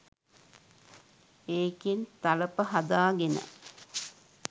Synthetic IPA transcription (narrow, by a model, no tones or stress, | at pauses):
eːkent̪aləpəɦɐd̪aːɡenə̰